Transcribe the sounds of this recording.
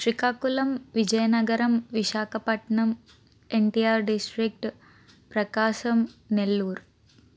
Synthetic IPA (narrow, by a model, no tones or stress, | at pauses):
ʃɾikaːkulɐmʋid͡ʒɐjɐnɐɡɐɾɐmʋiʃaːkʰɐpɐʈɳɐm | eɳʈijaːɾɖisʈɾik̚ʈ | pɾɐkaːʃɐmnelːuːɾ